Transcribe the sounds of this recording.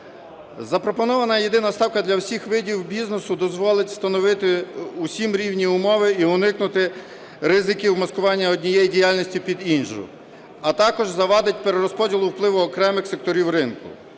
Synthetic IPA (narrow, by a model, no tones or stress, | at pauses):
zɐpɾɔpɔnɔʋɐnɐjed̪ɪnɐst̪ɑwkɐd̪lʲɐwsʲixʋɪdʲiwbʲiznesʊd̪ɔzʋɔlˠɪtʲst̪ɐnɔʋɪt̪ɪusʲimɾʲiwnʲiʊmɔʋɪiʊnɪknʊt̪ɪ | ɾɪzɪkʲiwmɐskʊʋɑnʲːɐɔdʲnʲijɛjidʲijɑlʲnʲisʲtʲipʲid̪inʒ̰ʊ | ɐt̪ɑkɔʒzɐʋɑd̪ɪtʲpeɾeɾɔspɔdʲilˠʊwplˠɪʋʊɔkɾɛmɪxsek̚t̪ɔɾʲiwɾɪnkʊ̰